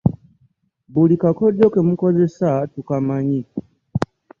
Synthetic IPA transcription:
bulikakɔdjɔkɛmukɔzɛsatukamaɲi

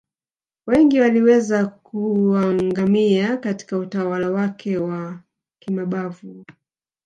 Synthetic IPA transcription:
wɛŋɡiwaliwɛzakuwaŋɡamiakati̥kautawalawakʰɛwa | kimaɓavu

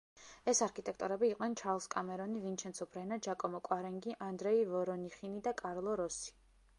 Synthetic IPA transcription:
ɛsaɾkʰit̪ʼɛkʰt̪ʼuɾɛbiːqʼnɛnt͡ʃʰaɾlˠskʼamɛɾɔnivint͡ʃʰɛnsʰɔpʰɾɛnad͡ʒakʼɔmɔkʼwaɾɛŋɡiʔand̪ɾɛivɔɾɔniχinid̪akʼaɾlˠɔɾɔsi̥

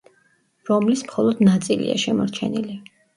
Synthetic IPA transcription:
ɾɔmlismχɔlˠɔd̪nat̪sʼilḭa̰ʃɛmɔɾt͡ʃʰɛnili

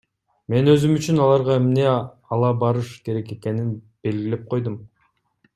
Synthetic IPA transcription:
me̞nø̞zymyt͡ʃynɑlˠɑɾʁɑe̞mne̞ | ɑlˠɑbɑɾɯʃke̞ɾe̞ke̞ke̞nin | b̥e̞lɡile̞p̚qʰo̞jd̪um

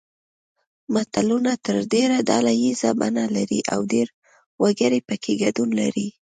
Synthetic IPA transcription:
mat̪alunat̪əɾdeɾad̪ɑlajizaba̰nalaɾiʔa̰wdeɾ | waɡəɾepəkʰeɡadunlaɾi

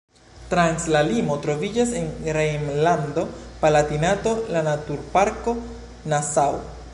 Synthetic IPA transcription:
tɾanslalimo̞tɾo̞vid͡ʒase̞ŋɡɾejmlando̞palatinato̞lanatuɾpaɾko̞ | nasaw

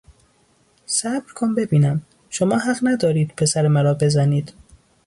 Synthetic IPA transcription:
sæbɾkʰonbe̞biːnæm | ʃomɒːhæɣnæd̪ɒːɾiːd̪̥pʰe̞sæɾemæɾɒːbe̞zæniːd̪̥

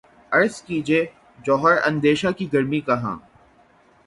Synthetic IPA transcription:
ɐɾskid͡ʒieː | d͡ʒɔːɦəɾɐ̰̃nd̪eːʃakiɡɐɾmikɐɦã̰ː

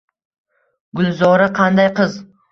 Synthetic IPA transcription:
ɡʊlzɒɾaqʰɑnd̪ajqɨz

